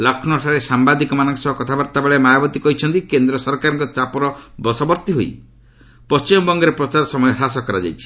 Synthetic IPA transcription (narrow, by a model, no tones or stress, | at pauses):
lakʰnɔʈʰaɾesambad̪ikɔmanɔŋkesɔɦɔkɔt̪ʰabaɾt̪abeɭemajabɔt̪ikɔɦit͡ʃʰɔnt̪ikend̪ɾɔsɔɾkaɾɔŋkɔt͡ʃapɔɾɔbɔsɔbɔɾt̪iɦoj | pɔst͡ʃimɔbɔŋɡɔɾepɾɔt͡ʃaɾɔsɔmɔjɔɾasɔkɔɾad͡ʒa̰jt͡ʃʰi̥